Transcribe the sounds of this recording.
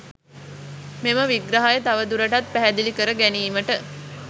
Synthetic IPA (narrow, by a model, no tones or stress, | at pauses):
meməʋiɡɾaɦajət̪aʋəd̪uɾəʈat̪̚pæɦæd̪ilikəɾəɡæniːməʈə